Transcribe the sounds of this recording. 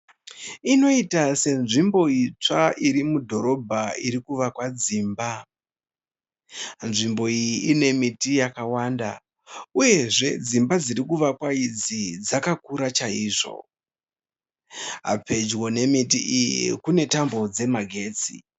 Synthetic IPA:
ino̞itase̞nʐimbo̞it͡ʂaiɾimudʱo̞ɾo̞bʱaiɾikuʋakwad͡ziːmba | nʐimbo̞ijiʔːne̞mitijakawaːnda̰ | uje̞ʐe̞d͡zimbad͡ziɾikuʋakwaid͡zid͡zakakuɾat͡ʃaiːʐo̞̰ | ɦa̰pe̞d͡ʒwo̞ne̞mitiʔijḭkune̞tambo̞d͡ze̞maɡʱe̞ːt͡sḭ

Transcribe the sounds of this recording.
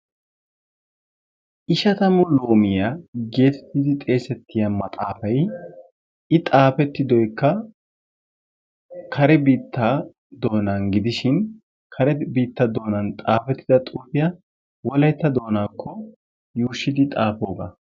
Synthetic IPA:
ʔɪʃɐt̪ɐmʊlo̞ːmɪjaɡe̞ːt̪ɛ̥t̪ːɪd̪ɪt̪ʼe̞ːsɛt̪ːɪjɐmɐt̪ʼaːfɐj | ɪt̪ʼaːfɛt̪ːɪd̪ɔjkːɐ | kʰɐɾɛbiːt̪ʰːɐ | d̪o̞ːnanɡɪd̪ɪʃɪn | kʰɐɾɛbiːt̪ːɐd̪o̞ːnɐnt̪ʼaːfɛt̪ːɪd̪ɐt̪ʼuːfɪjɐ | wɔlɐjt̪ːɐd̪o̞ːnaːkːɔ | juːʃːɪd̪ɪt̪ʼaːfo̞ːɡɐ̰

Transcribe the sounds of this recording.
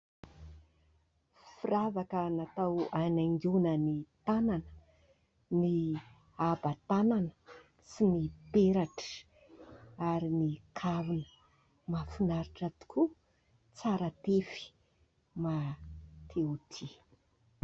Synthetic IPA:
firavakənat̪awanaŋɡunənit̪ananə̥ | ni | abat̪ananə̥ | sinipeɾaʈ͡ʂə̥ | aɾinikʰavunə | mafunaɾiʈ͡ʂat̪u̥kʰu | t͡saɾat̪efi̥ | mat̪ʰeut̪ʰi

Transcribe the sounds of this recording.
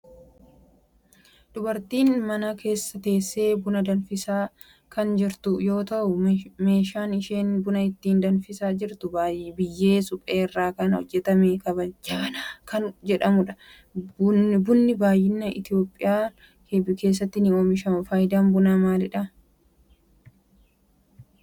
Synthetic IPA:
d̪ʊbɐɾt̪iːnmɐnɐkʰe̞ːsːɐt̪e̞ːsːe̞ːbʊnɐd̪ɐnfɪsaː | kɐnd͡ʒɪɾt̪ʊjo̞ːt̪ɐʔʊme̞ːʃaːnɪʃe̞ːnbʊnɐɪt̪ːiːnd̪ɐnfɪsaːd͡ʒɪɾt̪ʊbaːjbɪjːeːsʊpʼeːrːaːkɐnhɔ̰d͡ʒːɛt̪ɐmekɐbɐd͡ʒaːnakɐnd͡ʒɛᶑɐmʊᶑɐ̥ | bʊnbʊnːɪbaːjːɪnːɐʔɪ̰t̪ɪjo̞ːpʼːɪjaː | kebɪke̞ːs̬ːɐt̪ːɪnɪoːmɪʃɐfaːjɪd̪aːmbʊnaːmaːlɪᶑɐ

